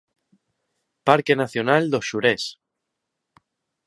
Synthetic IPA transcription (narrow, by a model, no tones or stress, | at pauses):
paɾke̞naθjo̞nald̪oʃuɾes